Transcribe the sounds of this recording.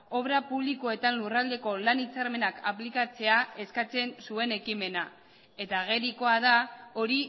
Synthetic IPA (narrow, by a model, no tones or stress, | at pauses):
o̞βɾapuβ̞likoe̞t̪anlurald̪e̞ko̞lanit͡saɾme̞nakʰaplikat͡se̞ae̞skat͡se̞nsue̞ne̞kime̞na | e̞t̪aɣ̞e̞ɾiko̞aðao̞ɾi